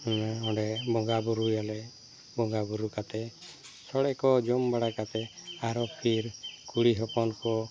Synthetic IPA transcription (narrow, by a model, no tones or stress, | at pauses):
ɔɖɛbɔŋɡabuɾujalɛ | bɔŋɡabuɾukat̪ɛ | sɔɽɛkɔd͡ʒɔmbaɽakat̪ɛaɾɔpʰiɾkuɽiɦɔpɔnkɔ